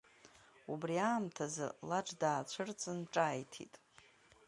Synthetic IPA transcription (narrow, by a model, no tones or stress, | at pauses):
ubriaːmtʰazɨ̰laʈ͡ʂdaːt͡ɕʷʰɨrt͡sʼɨnʈ͡ʂʼajtʰḭtʼ